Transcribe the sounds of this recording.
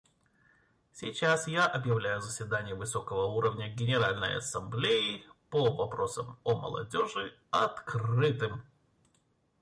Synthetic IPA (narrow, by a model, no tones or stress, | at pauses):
sʲɪt͡ɕasjaʔɐbjɪvlʲæjʊzəsʲvʲɪd̪anʲɪjəvɨso̞kəvəuɾəvnʲəɡʲɪnʲɪɾalʲnə̰jɐ̰sɐmblʲejɪpəvɐpɾo̞səmomə̰lˠɐ̰dʲo̞ʐɨ | ɐt̪krɨt̪ɨm